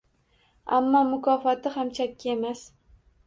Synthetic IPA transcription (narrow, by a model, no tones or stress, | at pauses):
a̰mːɒmʊkʰɒfat̪ɪhamt͡ʃʰakʲːae̞mas